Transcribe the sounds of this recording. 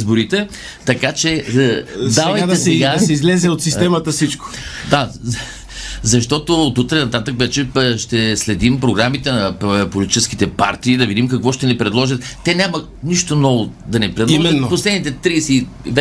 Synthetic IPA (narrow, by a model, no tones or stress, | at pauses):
zboɾit̪ɛ | t̪ɐkat͡ʃɛ | d̪avɐjtd̪ɛsɛɡaɐsɛizlɛzɛot̪sist̪ɛmɐt̪əsit͡ʃko̥d̪a | zɐʃt̪ɔt̪ot̪ut̪ɾɛnɐt̪at̪əkvɛt͡ʃɛʃt̪ɛslɛd̪impɾoɡɾamit̪ɛnɐpolʲit̪it͡ʃɛsk̟it̪ɛpa̰ɾt̪iːd̪ɐvid̪imkɐkvɔʃt̪ɛnɛpɾɛd̪lˠɔʒət̪ːɛnʲamɐ | niʃt̪onɔvo | d̪ɐnɛpɾɛd̪mɛposlɛd̪nit̪ɛt̪ɾisɛ | vɛ